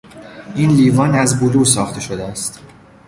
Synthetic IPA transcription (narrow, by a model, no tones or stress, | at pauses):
iːnliːvɒːnæzboluːsɒːxt̪ʰe̞ʃod̪eæst̪